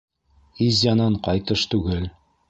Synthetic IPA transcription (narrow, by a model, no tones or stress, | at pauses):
izjɑnɑɴqɑjt̪ɤʃt̪ʉɡɘl